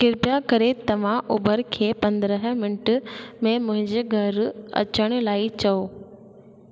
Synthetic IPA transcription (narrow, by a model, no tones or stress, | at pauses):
kɪɾpjakɐɾet̪ɐʋ̤ãʔubəɾkʰeːpɐ̃nd̪ɾəɦmɪnɪʈmẽmʊ̃ɦɪ̃ɲd͡ʑeɡʱɐɾɐ̰t͡ɕəɽ̃ʊ̆laːit͡ɕɐoː